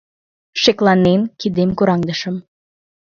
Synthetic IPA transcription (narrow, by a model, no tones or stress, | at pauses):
ʃeklˠɑnːenkid̪emkuɾɑŋd̪əʃə̆m